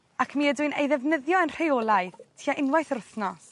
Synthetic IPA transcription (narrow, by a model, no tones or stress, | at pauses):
akʰmiːədʊɨnḛjðɛvnəðjɔənr̥eɔːlˠajθtʰiːaʔɪnwajθɾʊθnɔs